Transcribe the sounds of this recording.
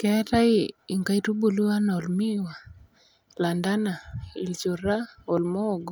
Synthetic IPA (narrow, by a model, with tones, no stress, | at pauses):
kɛ˦ta˦i˦i˨ŋɡa˦i˦tu˦bu˨lu˦wa˦na˨ɔ˨lmi˦wa˨ | la˨nda˦na˨i˨lt͡ʃo˨ɾa˦o˨lmɔ˦˨ɡɔ˨